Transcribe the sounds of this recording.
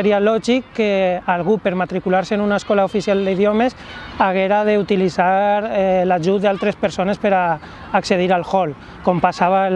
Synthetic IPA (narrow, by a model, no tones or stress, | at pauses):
eɾjalɔʒikːealɣupeɾmat̪ɾikulaɾsenunaeskɔlaofisjald̪eiðomesaɣeɾaðeut̪ilizaɾlaʒut̪̚d̪alt̪ɾespeɾsonespeɾaː | kseð̞iɾalxɔl | kompasaβa